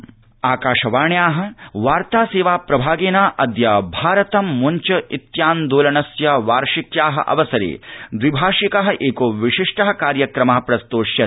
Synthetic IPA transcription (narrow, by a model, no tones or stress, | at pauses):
aːkaːʂɐʋaːɳjaːɦɐ̆ʋaːɾt̪aːseːʋaːpɾɐbʱaːɡeːnaːʔɐd̪jɐbʱaːɾɐt̪ɐmːuɲt͡ʃɐʔit̪jaːnd̪oːlɐnɐsjɐʋaːɾʂikjaːɦɐ̰ʔɐ̰ʋɐsɐɾḛːd̪ʋibʱaːʂikɐɦɐ̆ʔeːkoːʋiʂiʂʈɐɦɐ̆kaːɾjɐkɾɐmɐɦɐpɾɐst̪oːʂjɐ